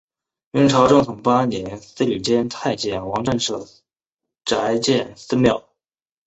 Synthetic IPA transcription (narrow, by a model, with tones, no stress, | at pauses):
y˧˥ŋʈ͡ʂʰɑ˧˥ʊʈ͡ʂʊ˥˩ŋt̪ʰʊ˧˥˩ŋpa˥njɛ˧˥nsɹ̩˥ly˨˩t͡ɕjɛ˥nt̪ʰa˥˧ɪt͡ɕjɛ˥˩nwɑ˧˥ŋʈ͡ʂə˥˧nʂɤ˥˩ | ʈ͡ʂa˧˥ɪt͡ɕjɛ˥˩nsɹ̩˥mjɑ˥˩ʊ